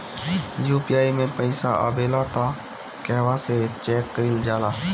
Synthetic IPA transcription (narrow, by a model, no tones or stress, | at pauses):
juːpijaːimẽpəɪsa̰a̰beːlat̪ʰa | kɛːʋaset͡ʃɛːkːəɪld͡ʒaːlaː